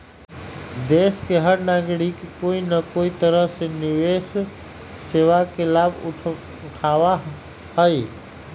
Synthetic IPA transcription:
d̪eskeɦəɾnaɡɽikkoinəkoit̪əɾəɦseniʋesː | eʋakelabʱʰ | uʈʰaʋa | həj

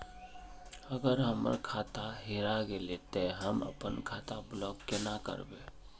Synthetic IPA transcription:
əɡəɾɦəmə̰ɾkʰaːt̪aɦeɾaɡelet̪eɦəmə̰pənkʰaːt̪ablɔːkːenakə̰ɾbeː

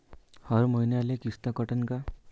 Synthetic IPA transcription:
hɔɾmɔjnalekist̪akɔʈɔnka

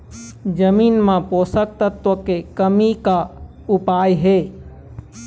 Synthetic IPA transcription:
d͡ʒəmiːnmãpoːsək̚t̪ət̪wəkekəmika | ʊpaːjɦeː

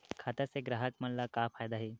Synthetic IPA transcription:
kʰaːt̪əɾseɡɾaːɦəkmɐnlakafʰaːjd̪aɦeː

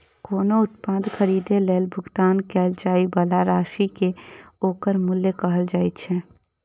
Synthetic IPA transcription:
koːnoʊt̪̚pãd̪kʰəɾiːd̪eleːlbʱʊɡt̪aːnkɛːld͡ʒaːibəlaɾaːʃikeoːkəɾmʊljekəɦəld͡ʒaːit͡ʃʰɛ

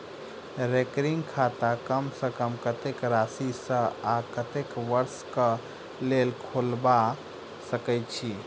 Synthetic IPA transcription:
ɾekɾiŋɡkʰat̪akəmsəkəmkət̪ekɾasisə̃akət̪ekʋəɾskə | lelkʰolba | səkət͡ʃʰi

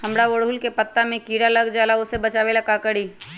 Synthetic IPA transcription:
həmɾaʋoɽʊlkepət̪ːamẽkiːɽaləɡd͡ʒaːlaʊsebət͡ʃaːʋelakaːkəɽiː

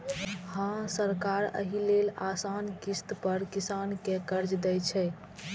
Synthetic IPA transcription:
hãsəɾkaɾə̰ɦilelasankist̪pəɾkisankekəɾd͡ʒd̪ɛjt͡ʃʰɛ

